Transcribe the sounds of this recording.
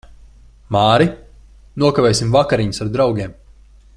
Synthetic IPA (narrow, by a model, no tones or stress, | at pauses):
maːɾi | nuɔkavʲɛːjsʲimvakaɾiɲusaɾd̪ɾawɡʲeɛm